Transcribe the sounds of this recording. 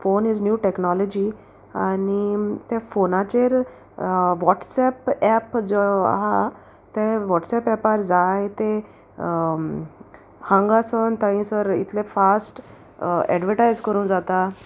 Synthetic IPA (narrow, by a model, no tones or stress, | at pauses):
fonid͡znjuːʈeknɔlɔd͡ʑi | anit̪ẽfonat͡ɕeɾ | ʋɔʈsɛpɛpd͡zoa̰ɦa | t̪eʋɔʈsɛpɛpaɾd͡zajt̪e | hãŋɡasənt̪ãɦĩsəɾḭt̪ʰlẽfasʈ | ɛ̰ɖʋəɾʈajzkəɾũːnd͡zat̪a